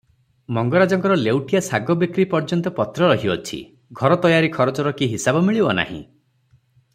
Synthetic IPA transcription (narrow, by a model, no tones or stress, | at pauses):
mɔŋɡɔɾad͡ʒɔŋkɔɾɔlewʈijasaɡɔbikɾipɔɾd͡ʒɔnt̪ɔpɔt̪ɾɔɾɔɦiɔ̰t͡ʃʰḭ | ɡʱɔɾɔt̪ɔjaɾikʰɔɾɔt͡ʃɔɾɔkiɦisabɔmiɭibɔna̰ɦḭ̃